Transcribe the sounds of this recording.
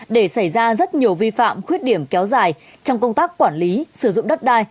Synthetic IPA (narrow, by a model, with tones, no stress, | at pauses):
ɗe˧˩sa˧˩jzaː˧zə˦˥t̚ɲi˨˩əwvi˧fa̰ː˧˨mxwi˦˥ət̚ɗi˧˩əmkɛ˨˦wzaː˨˩j | t͡ɕɔ˧wŋ͡mkə˧wŋ͡mt̪aː˦˥kkːwaː˧˩nli˨˦sɨ˧˩zʊ̰˧˨ŋ͡mɗə˦˥t̚ɗaː˧j